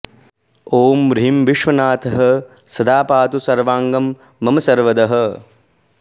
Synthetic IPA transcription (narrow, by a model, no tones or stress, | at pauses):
oːmɾɦimʋiʂʋɐnaːt̪ʰɐɦɐ | sɐd̪aːpaːt̪usɐɾʋaːŋɡɐmː | ɐmɐsɐɾʋɐd̪ɐɦɐ̆